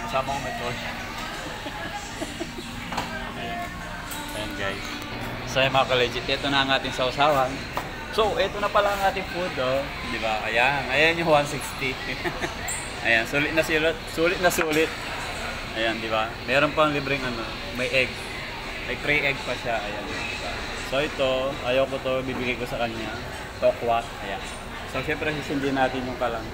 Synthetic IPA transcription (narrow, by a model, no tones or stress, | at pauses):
ɐsaːbɐŋmɐjt̪os | ʔɐjan | ʔɐjanɡajs | sajmɐŋakɐlɛd͡ʒɪt̪ʔɛt̪onɐɐŋaːt̪ɪŋsɐʔʊsaːwɐn | soʔɛt̪onɐpɐlaɐŋaːt̪ɪŋfud̪o | d̪ɪbaʔɐjanʔɐjaɲowansikst̪i | ʔɐjansuːlɪt̪̚nɐsilɪt̪̚suːlɪt̪̚nɐsuːlɪt̪̚ | ʔɐjand̪ɪbamɛːɾonpɐŋlibɾɪŋɐno̞ | mɐjʔɛɡs | mɐjp̪ɾiʔɛɡspɐʃaʔɐjand̪ɪba̰ | so̞ʔɛt̪o̞ʔaːjɐwkot̪obibɪɡajkosɐkɐɲa | t̪okwat̪̚ʔɐjan | soʃɛmpɾɛsisɪnd̪inaːt̪ɪɲjʊŋkɐlaŋ